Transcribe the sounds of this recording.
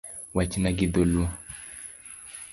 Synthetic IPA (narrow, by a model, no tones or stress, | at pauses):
wat͡ʃinaɡid̪olu